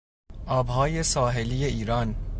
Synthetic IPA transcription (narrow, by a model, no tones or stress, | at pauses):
ʔɒːbhɒːje̞sɒːɦelijeiːɾɒːn